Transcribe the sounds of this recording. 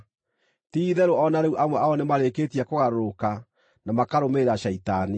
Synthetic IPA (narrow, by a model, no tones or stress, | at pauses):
tiːðɛɾoɔnaɾeuʔamwɛʔaɔnemaɾeketiakoɣaɾoɾoka | namakaɾomeɾaʃɛitani